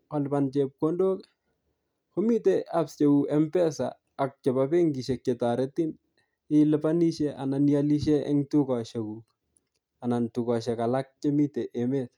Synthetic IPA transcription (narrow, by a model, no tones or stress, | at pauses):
ɔlpant͡ʃɛp̚kondok | homiteapst͡ʃekuʔɛmpɛsa̰ː | k̚t͡ʃɛpapeŋɡiʃɛk̚ːetaɾɛtin | ɪlɪpaniʃɛananjaliʃɛɛ̰ŋtukɔʃɛku | anantukɔʃɛkalak̚t͡ʃemiteʔemet̚